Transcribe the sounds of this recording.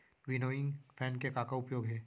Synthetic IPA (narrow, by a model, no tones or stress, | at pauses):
ʋɪnoːɪ̃ŋɡfʰɛːnkekaːkaʊpjoːɡɦɛː